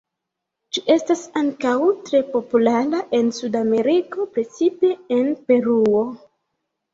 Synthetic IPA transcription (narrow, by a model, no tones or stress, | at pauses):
d͡ʒiʔe̞stasaŋkawtɾe̞po̞pulaɾaʔe̞nsudame̞ɾiko̞pɾe̞t͡sipe̞enpe̞ɾuo̞